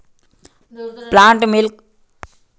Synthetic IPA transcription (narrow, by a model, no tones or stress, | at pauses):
plaːɳʈmilk